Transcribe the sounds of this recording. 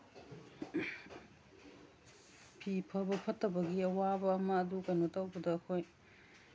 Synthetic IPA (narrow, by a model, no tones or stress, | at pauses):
pʰipʰɐbɐpʰɐtːɐbɐɡiɐwabɐːmɐːdukɐjnotɐwbɐdɐːkʰoj